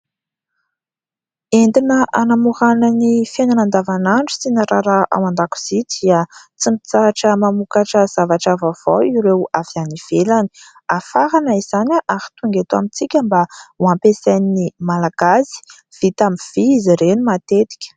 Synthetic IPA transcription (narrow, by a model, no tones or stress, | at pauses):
end̪inəʔanamuɾanənifenanand̪avanaɳɖ͡ʐu̥sinaɾaɾaʔa̰mand̪aku̥z̥id̪iət͡simit͡saaʈ͡ʂəmamukaʈ͡ʂəz̥avaʈ͡ʂavav̥oiɾewavianiv̥elani̥ | afaɾanəiz̥anaʔahi̥t̪uŋɡet̪uamit͡sikʲəmbauampesanːimalaɡ̥azi̥ | v̥it̪amiv̥iiziɾenimat̪et̪i̥kʲə̥